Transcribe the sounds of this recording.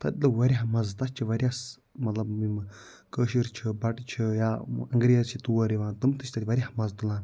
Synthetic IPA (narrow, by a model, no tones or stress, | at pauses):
t̪ɐt̪ʲlɨʋɐɾʲiɦmɐzt̪ɐst͡ʃʰiʋɐɾʲas | mɐt̪lɐbmim | kəːʃiɾt͡ʃʰibɐʈt͡ʃʰijaːɐŋɡɾʲijzt͡ʃʰit̪uɐɾiʋãːnt̪ɨmt̪ɨt͡ʃʰʲt̪ɐt̪ʲiʋɐɾʲahmɐzt̪ulãːn